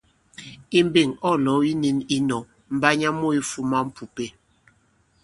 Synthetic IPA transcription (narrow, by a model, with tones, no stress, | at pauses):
i˦m˦be˦˨ŋɔ˦˨lɔ˨˦i˦ni˦ni˦nɔ˨ | m̩˦ba˦ɲa˦mo˦i˦fu˦ma˦m̩˦pu˨pe˦